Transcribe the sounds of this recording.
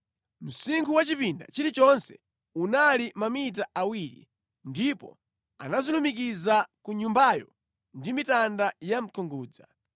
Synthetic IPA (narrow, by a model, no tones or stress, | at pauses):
m̩siŋkʰuwat͡ʃipinda̰t͡ʃiɾit͡ʃɔnsɛ̥̰ | unalimamit̬aʔawiɾḭ | ndipɔ̰ | a̰nazilumik̬izakuɲumbajɔ̰ | ndimitandajam̩kʰɔŋɡuːd͡za̰